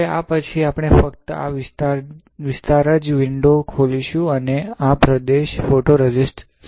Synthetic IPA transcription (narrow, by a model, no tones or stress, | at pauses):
eapət͡ʃʰiapɳ̃efək̚t̪əa̰ | ʋɪst̪aɾəd͡ʒʋɪɳɖokʰoliʃũəneapɾəd̪eʃfoʈoɾəd͡ʒisʈ